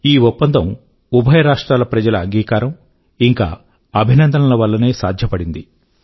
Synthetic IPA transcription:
iːupːɐnd̪ʱɐm | ubʱɐjɐɾaːʂʈɾaːlɐpɾɐd͡ʒɐlɐːŋɡiːkaːɾɐm | iŋka̰ː | ɐbʱinɐnd̪ʱɐnɐlɐʋɐlːɐneːsaːd̪ʱjɐpɐɽind̪i

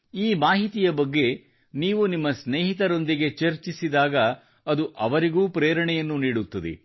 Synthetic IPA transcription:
iːmaːɦit̪ijɐbɐɡːe̞ | niːʋunimːɐsneːɦit̪ɐɾo̞nd̪iɡe̞t͡ʃɐɾt͡ʃisid̪aːɡɐ | ɐd̪uʔɐʋɐɾiɡuːpɾeːɾɐɳɛjɐnːuniːɽut̪ːɐd̪ḛ

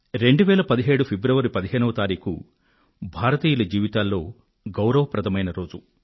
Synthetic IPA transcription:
ɾe̞ɳɖuʋɛːlɐpɐd̪iɦeːɽupʰebɾɐʋɐɾipɐd̪iɦeːnɐʋɐt̪aːɾiːkṵ | bʱaːɾɐt̪iːjulɐd͡ʒiːʋit̪aːlːo̞ː | ɡɐwɾɐʋɐpɾɐt̪ʰɐmɐjnɐɾo̞ːd͡ʒu

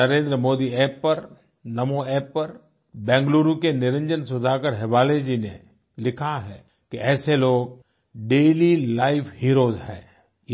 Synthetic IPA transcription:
ɐɾẽːnd̪ɾəmoːd̪iɛːpːɐɾ | nɐmoɛːpːɐɾ | bɛ̃ːŋɡluːɾũkenɪɾə̃ɲd͡ʒənsʊd̪ʱaːkəɾɦɪʋaːled͡ʒiːne | lɪkʰaɦɛː | keɛːseloːɡ̚ | ɖeːlilaːɪfʰhiːɾoːzɦɛ̰̃ː

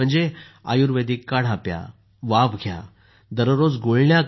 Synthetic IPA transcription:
əɳd͡zea̰juɾʋed̪ikːaɽ̤apja̰ | ʋaʋɡʱja̰ | d̪əɾəɾod͡zɡoɭɳja

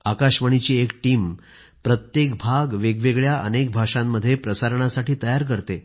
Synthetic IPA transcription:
akaɕʋəɳ̃it͡ɕiːekʈiːm | pɾət̪jekbʱaɡʋeɡʋeɡɭjaʔə̰nek̚bʱaʂãmːəd̪ʱːjepɾəsaɾɳ̃asaʈiːt̪əjaɾk̬əɾt̪e

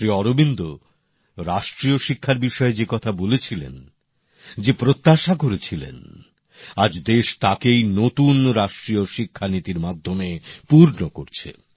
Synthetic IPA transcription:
ɾiɔɾobind̪o | ɾaʃʈɾioʃikʰːaɾbiʃɔed͡ʑekɔt̪ʰabolet͡ɕʰilḛn | d͡ʑepɾot̪ːaʃakoɾet͡ɕʰilḛn | ad͡ʑd̪eʃt̪akejnot̪unɾaʃʈɾioʃikʰːanit̪iɾmad̪ʱːomepuɾnoko̰ɾt͡ɕʰḛ

